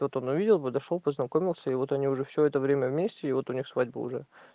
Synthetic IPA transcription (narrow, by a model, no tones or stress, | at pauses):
vot̪o̞nʊvʲidʲɪlˠpəd̪ɐʂolˠpəznɐkomʲɪlˠsʲəɪvo̞t̪ɐnʲiʊʐɛfsʲoɛt̪əvɾʲemʲəvmʲesʲtʲɪɪvo̞t̪ʊnʲixsvadʲbʊ̰ʊ̰ʐɛ